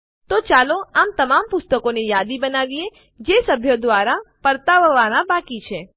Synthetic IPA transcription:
t̪ot͡ʃaloamt̪əmampʊst̪əkonejad̪ibənaʋie | d͡ʒesəbʱjod̪ʋaɾapəɾt̪aʋəʋanabakit͡ʃʰe

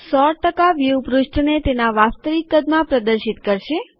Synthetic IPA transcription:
sɔʈəkaʋjiupɾʊʃʈʰnet̪enaʋast̪əʋikːəd̪mãpɾəd̪əɾʃit̪kəɾʃe

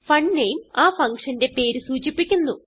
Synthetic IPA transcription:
fɐɳnejumaːfɐŋkʂɐnde̞pe̞ːɾusuːt͡ɕipːikʲːunːu

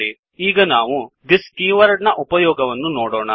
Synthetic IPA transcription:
i | iːɡɐnaːʋud̪iskiːʋɐɾɖnɐʔupɐjɔːɡɐʋɐnːunoːɽɔːɳɐ

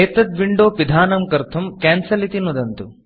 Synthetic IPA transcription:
eːt̪ɐt̪ʋiɳɖoːpid̪ʱaːnɐmkɐɾt̪ʰɐmkaːnsɐlit̪inud̪ɐnt̪u

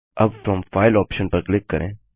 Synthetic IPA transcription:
ʔɐbfɾɔ̃mfaɪlɔːpʃə̃npəɾklɪkːəɾʔḛ̃

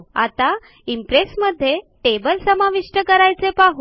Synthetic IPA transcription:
a̰t̪a | impɾesməd̪ʱːjeʈebəlsəmaʋiʂʈəkəɾajt͡sepaɦu

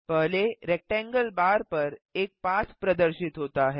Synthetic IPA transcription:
pəɦleɾɛk̚ʈɛ̃ŋɡəlbaɾpəɾek̚pat͡sʰpɾəd̪əɾɕit̪ɦot̪aːɦe

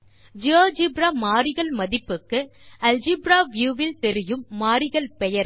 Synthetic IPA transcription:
d͡ʒaːd͡ʒibɾaːmaːɾɪɣɐɭmɐðɪpːɯkːɯɐld͡ʒibɾaːʋjuːʋɪlt̪ɛɾɪjɯmːaːɾɪɣɐlpɛjɐɾ

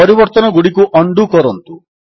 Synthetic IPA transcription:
ɔɾibɔɾt̪ɔnɔɡuɽikuʔɔɳɖukɔɾɔnt̪u

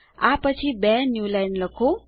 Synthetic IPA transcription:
a̰pʌt͡sʰibɛnjulajnləkʰo

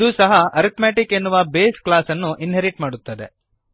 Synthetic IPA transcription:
d̪uːsɐɦɐɐɾit̪meːʈike̞nːuʋɐbeːsklaːsɐnːuʔinɦeɾiʈmaːɽut̪ːɐd̪e̞̰

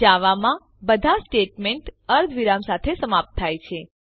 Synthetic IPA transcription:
aʋamã | bəd̪ʱasʈeʈmeɳʈəɾd̪ʱʋiɾamsat̪ʰesəmap̚t̪̚ʰːajt͡ʃʰe

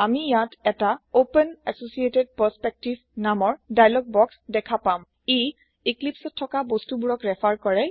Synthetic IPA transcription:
amijatɛtaopənɛsosieted̚pəspek̚tibʱnamɔɹdajlɔɡ̚bɔksdɛkʰapam | e | iklipsɔtʰːɔkabostubuɹɔkɹɛpʰaɹkɔɹɛ

